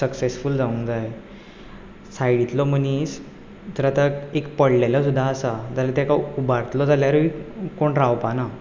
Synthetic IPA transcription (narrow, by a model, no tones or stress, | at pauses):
səksesfuld͡zaũnd͡zaj | sajɽit̪lɔm̤ənis | t̪əɾat̪əekpəɽlelasud̪ʱːaːsad͡zalat̪akaubaɾt̪lɔd͡zaljaɾʋikoɳɾawpana